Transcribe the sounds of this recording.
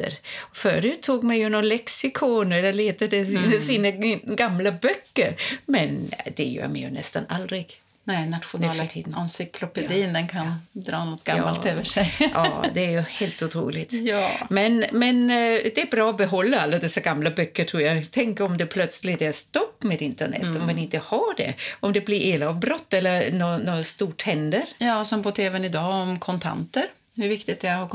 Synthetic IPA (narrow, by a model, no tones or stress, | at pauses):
t̪ə̰ɾɔfœ̰ːɾʉ̟ːt̪ʰːuːɡmɛjɵnɔnlɛksɪkʰɔnɛlːəɾleːt̪əd̪ɛsinsiːnaɡamːlabœkːəɾmɛnd̪ɛjœ̰ːɾmɛ̰jɵ̰nɛ̰st̪a̰na̰ld̪ɾɪɡ̥ | nɛnat̪ɧʊnɛfʈʰiːd̪nnsʏkʰlɔpɛd̪iːnd̪ɛnkʰand̪ɾɑːnɔt̪ːɡ̥ajɑ̰ːaløːvəʂɛjʔɑ̰ːd̪ɛæɾjɵheːlt̪ʊt̪ʰɾṵːlɪt̪jmɛnmɛnd̪ɛæɾbɾɑːɔbɛɦɔlːaalːad̪ɛsːaɡamlabœkːəʈʰɾuːɾjat̪ʰɛŋkəɾɔmd̪ɛpʰlœt̪slɪt̪æɾst̪ɔpːmed̪ɪnt̪əɳɛ̰t̪ːɔmmanɪnt̪əhaɖɛ̰ɔmd̪ɛblɪɾʔeːlavbɾɔt̪ːɛlːəɾnɔnɔst̪uːʈʰhɛnd̪əɾjɑːsɔmpʰɔt̪ʰeːvɛnɪd̪ɑːɔmkʰɔnt̪ʰa̰nt̪əɾ | hɵɾvɪkt̪ɪɡt̪ɛaa